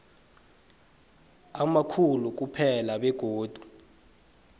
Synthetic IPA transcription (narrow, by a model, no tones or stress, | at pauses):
amakʰuluk̬upʰɛlaɓɛɡ̥ʱoːd̥ʱu